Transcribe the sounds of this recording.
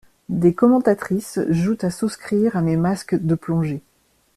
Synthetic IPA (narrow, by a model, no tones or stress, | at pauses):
d̪ekɔmɑ̃t̪at̪χisʒut̪asuskχiʁamemaskd̪əplɔ̃ʒe